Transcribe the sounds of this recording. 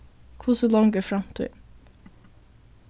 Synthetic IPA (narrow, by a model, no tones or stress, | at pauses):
kʰuːsəlɔŋɡəfɾɑmt̪ʰy̰